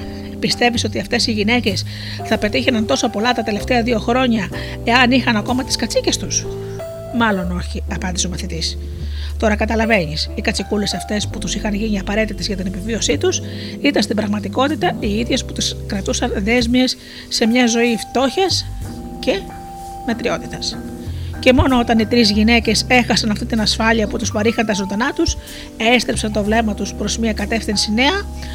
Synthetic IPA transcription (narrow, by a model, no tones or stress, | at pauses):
pist̪e̞viso̞t̪iɐft̪e̞siʝine̞ce̞s | θɐpe̞t̪içenɐnt̪o̞sopo̞lɐt̪ɐt̪e̞le̞ft̪e̞ɐðio̞xɾo̞ɲɐ | eɐnixɐnɐko̞mɐt̪i̥skɐt͡sice̞st̪us | mɐlo̞no̞çiɐpɐnd̪isomɐθit̪is | t̪o̞ɾɐkɐt̪ɐlɐve̞nisikɐt͡sikule̞sɐft̪e̞sput̪usixɐnʝiɲiɐpɐɾe̞t̪it̪e̞zʝɐt̪ine̞pivio̞sit̪usit̪ɐnst̪ibɾɐɣmɐt̪iko̞t̪it̪ɐiiðʝe̞sput̪iskɾɐt̪usɐnðe̞zmiesː | e̞mɲɐzo̞ift̪o̞çɐs | ce̞ | met̪ɾio̞̰t̪i̥t̪ɐsce̞mo̞no̞o̞t̪ɐnit̪ɾizʝine̞ce̞se̞xɐsɐnɐft̪it̪inɐsfɐliɐput̪uspɐɾixɐnt̪ɐsond̪ɐnɐt̪us | est̪ɾepsɐnt̪o̞vle̞mɐt̪uspɾo̞zmiɐkɐt̪e̞fθinsine̞ɐ